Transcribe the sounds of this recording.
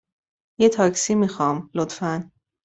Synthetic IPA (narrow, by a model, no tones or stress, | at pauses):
jet̪ʰɒːksiːmixɒːmlot̪fæn